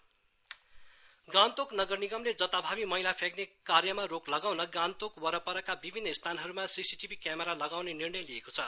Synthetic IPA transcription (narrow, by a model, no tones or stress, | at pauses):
ɡãnt̪oknʌɡʌrniɡʌmled͡zʌt̪abʱabimʌɦilapʰeknekarjʌmaroklʌɡawnʌɡãnt̪okwʌɾʌpʌɾʌkabibʱinːʌist̪ʰanɦʌɾumasisiʈibʱikjameɾalʌɡawnenirnʌjlijekot͡sʰʌ